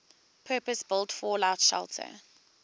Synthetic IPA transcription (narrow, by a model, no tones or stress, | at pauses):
pʰɜːpəsbɪlˠtfɔlaʊtʃɛ̰lˠtʰə̰